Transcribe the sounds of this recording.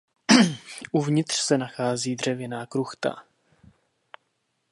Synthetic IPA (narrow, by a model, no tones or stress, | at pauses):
ʔuvɲɪt̪r̥sɛnaxaːziːd̪r̝ɛvjɛnaːkɾuxt̪a̰